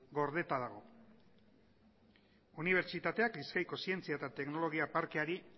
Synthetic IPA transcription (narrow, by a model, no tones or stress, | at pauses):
ɡo̞ɾðe̞t̪að̞aɣ̞o̞ | uniβ̞e̞ɾt͡ʃit̪at̪e̞akliskajko̞sie̞nt͡siaet̪at̪e̞kno̞lo̞ɣ̞iapaɾke̞aɾi